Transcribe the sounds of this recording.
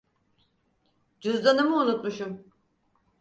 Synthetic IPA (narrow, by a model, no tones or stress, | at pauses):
d͡ʒyzd̪anɯmɯunut̪muʃum